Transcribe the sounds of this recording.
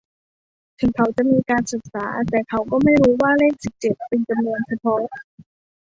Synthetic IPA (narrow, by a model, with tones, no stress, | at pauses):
t̪ʰɯ˨˩˦kʰa˩˥wt͡ɕa˨˩ʔmiː˧kaː˧nsɯ˨˩k̚saː˩˦t̪ɛː˨˩kʰa˦˥wkɔː˥˩ma˥˩jɾuː˦˥waː˥˩leː˥˩k̚si˨˩k̚t͡ɕe˨˩p̪̚pe˧nt͡ɕa˧mnu˧ənt͡ɕʰa˧pʰɔ˦˥